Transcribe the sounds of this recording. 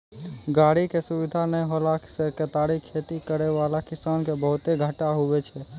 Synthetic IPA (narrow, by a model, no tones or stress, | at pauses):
ɡaːɽikesʊʋɪd̪ʱanəjɦolasekət̪aɽikʰeːt̪ikəɾeʋaːlakɪsaːnkebəɦʊt̪eɡʱəʈaɦʊʋet͡ʃʰɛ